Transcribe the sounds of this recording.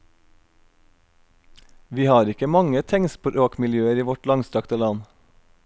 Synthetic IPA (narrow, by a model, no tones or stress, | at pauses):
ʋiːhɑːɾɪkəmɑŋət̪ʰɛŋspʰoːʔoːkmɪljøːəɾiːʋɔʈlɑŋst̪ɾɑkt̪əlɑn